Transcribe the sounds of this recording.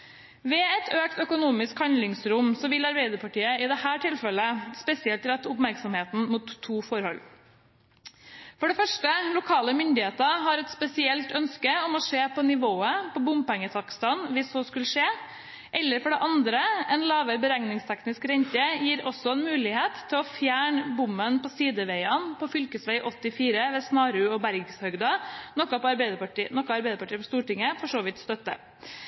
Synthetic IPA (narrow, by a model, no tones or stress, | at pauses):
ʋɛɛt̪øːkt̪œkʊnuːmɪskhɑnd̪lɪŋsɾʊmsɔʋɪlɑɾbeɪd̪əpʰɑʈiːəɪd̪ɛhæːʈʰɪlfɛləspɛsɪɛlt̪ɾɛt̪ːʊpmæɾksɔmheːt̪n̩mut̪ʰːuːfɔɾhɔl | fɔɖɛfœʂʈəlʊkʰɑːləmʏnd̪ɪheːt̪əɦɑɾɛt̪spɛsɪɛlt̪œnskəɔmɔʂeːpʰɔnɪʋoːəpʰɔbʊmpɛŋːət̪ʰɑkst̪ɑnʋɪsːoːskʉləʂeː | ʔɛlːəɾfɔɖɛʔɑnd̪ɾəɛnlɑːʋəɾbəɾæŋnɪŋst̪ʰɛknɪskɾɛnt̪əjiːɾɔsːɔɛnmʉːlɪheːt̪ʰːɪlɔfjæːɳbʊmːənpɔsiːd̪əʋeɪɑnpʰɔfʏlkəsʋæɪʔɔt̪ːɪfiːɾəʋɛsnɑːɾʉɔbæɾɡshœɡd̪ɑnɔkːɑpɔɑɾbɛɪd̪əpɑʈːnɔkːɑɑɾbɛɪd̪əpɑʈiːəpʰɔst̪uːʈɪŋːəfɔʂoːʋɪt̪st̪œt̪ːə̰